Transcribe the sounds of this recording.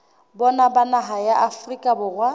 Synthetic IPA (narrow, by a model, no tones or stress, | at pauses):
bɔnabanaɦajaʔafrikʼabʊrwa